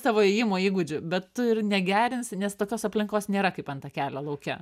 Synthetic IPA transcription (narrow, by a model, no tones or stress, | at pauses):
sɑːʋoːɛjɪmoːiːɡʊd͡ʒʲʊbʲɛt̪tʊɪrnʲɛɡʲæːɾʲɪnsʲnʲɛst̪oːkʲoːsɐpʲlʲɪŋkoːsnʲeːɾɐkɐɪpɐnt̪ɐkʲæːlʲɛlˠɐʊkʲɛ